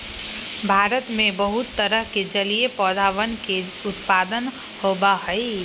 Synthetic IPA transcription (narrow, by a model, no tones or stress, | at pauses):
bʱaːɾət̪mẽbəɦʊt̪ːəɾəɦked͡ʒəliepɔːd̪ʱaːʋənke | ʊt̪paːd̪ən | hoːbaɦəi